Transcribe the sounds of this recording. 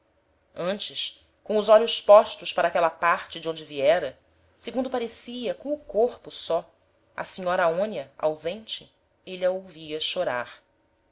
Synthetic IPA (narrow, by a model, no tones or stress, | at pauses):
ɐ̃nt͡ʃɪs | kõʊzɔʎʊʃpɔʃt̪ʊʃpaɾɐakɛlɐpaɾt͡ʃɪd͡ʒɪõd͡ʒɪviɛɾɐ | seɡũnd̪ʊpaɾesiɐkõw̃ʊkoɾpʊsɔ | ɐ̰siɲɔɾɐaõnɐa̰wzẽnt͡ʃɪ | eliɐowviɐʃoɾa̰ɾ